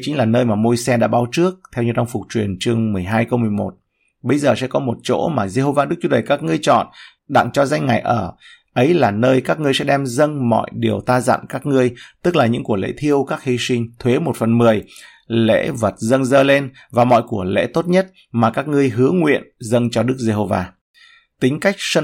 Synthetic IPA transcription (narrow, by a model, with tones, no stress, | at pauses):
t͡ɕï̟˦laː˨˩nəː˧jmaː˨˩mo˧jsɛ˧ɗa̰ː˧˥ɓaː˨˦wt͡ɕɨ˦˥ək̚t̪ʰɛ˧wɲɨ˧t͡ɕa˧wŋ͡mfʊ˨˩k͡p̚t͡ɕwi˨˩ənt͡ɕɨ˧əŋmɨ˨˩əjɦaː˧jkə˧wmɨ˨˩əjmo˨˩t̚ | ɓə˧jzəː˨˩sɛ̰˧˥kɔ˨˦mo˨˩t̚t͡ɕo̰˧˥maː˨˩ze˧ɦo˧vaː˧ɗɨ˦˥k̚t͡ɕu˨˦ɗə˨˩jkaː˦˥k̚ŋɨ˧əjt͡ɕɔ̰˧˨n | ɗa̰˧˨ŋt͡ɕɔ˧za˧jŋ̟ŋa˨˩jʔəː˧˩ | ʔə˨˦jlaː˨˩nəː˧jkaː˦˥k̚ŋɨ˧əjsɛ˧˥ɗɛ˧mzə˧ŋmɔ̰˧˨jɗi˨˩əwt̪aː˧za̰˧˨nkaː˦˥k̚ŋɨ˧əjt̪ɨ˦˥k̚laː˨˩ɲɨ̰˧˥ŋku˧˩əlḛ˧˥t̪ʰi˧əwkaː˦˥k̚hi˧sï˧ŋ̟t̪ʰwe˨˦mo˨˩t̚fə˨˩nmɨ˨˩əj | lḛ˧˥və˨˩t̚zə˧nzəː˧le˧n | vaː˨˩mɔ̰˧˨jku˧˩əlḛ˧˥t̪o˦˥t̚ɲə˦˥t̚ | maː˨˩kaː˦˥k̚ŋɨ˧əjɦɨ˨˦əŋwḭ˧˨ənzə˧nt͡ɕɔ˧ɗɨ˦˥ək̚ze˧ɦo˧vaː˧ | t̪ï˨˦ŋ̟ka˦˥jk̟̚sə˧